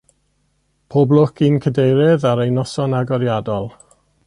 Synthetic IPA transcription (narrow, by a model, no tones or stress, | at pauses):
pʰoblˠʊkʰinkʰədejɾɛðaɾejnɔsɔnaɡɔɾjadɔlˠ